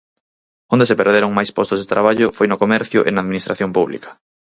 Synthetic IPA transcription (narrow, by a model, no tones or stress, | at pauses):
ond̪esepeɾðeɾoŋmajspost̪ozðet̪ɾaβ̞aʎʊfojnʊkomɛɾθjʊ̰ʔenaːðminist̪ɾaθjompuβlḭkɐ̥